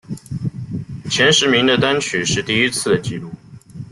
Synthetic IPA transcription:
t͡ɕʰjɛ˧˥nʂɻ̩˧˥mi˧˥ŋd̪ə˧t̪a˥nt͡ɕʰy˨˩ʂɻ̩˥˧t̪i˥˩i˥t͡sʰɹ̩˥˩d̪ə˩t͡ɕi˥˧lu˥˩

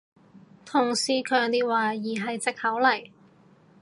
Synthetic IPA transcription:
t̪ʰʊ˨˩ŋsiː˧kʰœː˧ŋt̪iː˥waː˨˧jiː˨˩ɦɐ˨jt͡sɪ˨k̚hɐ˨˥wlɐ˨˩j

